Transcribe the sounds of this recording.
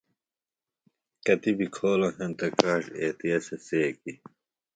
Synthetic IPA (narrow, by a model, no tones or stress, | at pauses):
kɐt̪ibikʰoːlɐ̃ɦent̪ɐkaːʂeːt̪ijɐseseːki